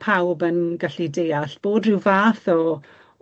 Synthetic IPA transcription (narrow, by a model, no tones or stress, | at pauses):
pʰawbənɡaɬidejaɬb̥oːdrɪwvaːθɔ